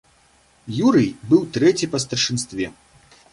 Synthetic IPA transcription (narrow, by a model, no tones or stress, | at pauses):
juɾɨjbɨwt̪ɾɛt͡sʲipɐs̬t̪ɐrʂɨnst̪vʲɛ